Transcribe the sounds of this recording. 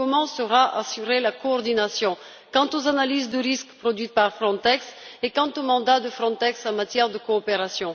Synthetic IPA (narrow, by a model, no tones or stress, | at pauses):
kɔmɑ̃səʁaʔa̰syʁelakɔɔʁd̪inasjɔ̃ | kɑ̃t̪ozanalizd̪əʁiskpχɔd̪ɥit̪̚paʁfχɔ̃t̪ɛksekɑ̃t̪omɑ̃d̪ad̪əfχɔ̃t̪ɛksɑ̃mat̪jɛʁd̪əkɔːpeʁasjɔ̃